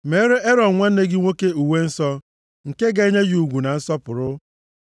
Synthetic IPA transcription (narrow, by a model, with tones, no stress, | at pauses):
me˨˦ɾe˦ʔe˦ɾɔ˨ŋʷa˦n̩˦ne˦ɡɪ˦ŋʷo˦ke˦u˨we˦n̩˦sɔ˦ | ŋ̩˨ke˦ɡa˨e˦ɲe˦ju˨ɡʷu˨na˨n̩˦sɔ˦pʊ˨ɾʊ˦